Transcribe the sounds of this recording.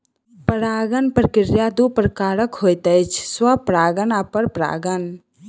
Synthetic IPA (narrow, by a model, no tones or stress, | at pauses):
pəɾaːɡənpɾəkɪɾjad̪upɾəkaːɾəkhojt̪əjt͡ʃʰswapɾaːɡənapəɾpɾa̰ːɡən